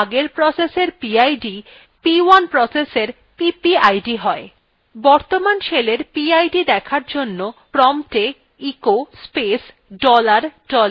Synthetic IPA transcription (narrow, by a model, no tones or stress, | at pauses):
ɡeɾpɾɔseseɾpiajɖi | piwanpɾɔseseɾ | pipiajɖiɦɔe | bɔɾt̪omanʃeleɾpiajɖid̪ɛkʰaɾd͡ʑonːopɾɔmʈe | ikospes | ɖɔlaɾɖɔl